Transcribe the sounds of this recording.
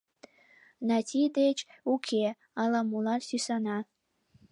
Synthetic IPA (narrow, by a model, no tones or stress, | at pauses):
nɑt̪ʲʰid̪et͡ɕukʰʲe | ɑlɑmulˠɑrsysɑnɑ